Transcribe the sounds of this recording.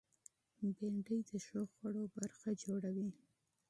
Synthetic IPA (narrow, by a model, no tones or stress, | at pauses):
beɳɖəjd̪əʃoxwaɽobaɾxad͡ʒoɽawi